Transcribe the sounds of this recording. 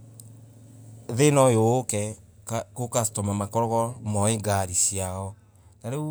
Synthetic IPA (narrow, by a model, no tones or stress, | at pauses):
ðenɔjoːkɛ | kokastɔmamakɔɾɔɣɔmɔeɡaɾisiaɔ | naɾe